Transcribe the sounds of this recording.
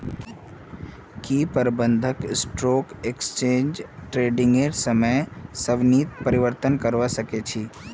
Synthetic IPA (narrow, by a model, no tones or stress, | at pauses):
kiːpəɾbə̃nd̪ʱəkɪsʈɾoːkekst͡ʃẽːɲd͡ʒʈɾeːɖɪ̃ŋɡeɾsəməjsəʋniːt̪pəɾɪʋəɾt̪ənkəɾʋasəket͡ʃʰiː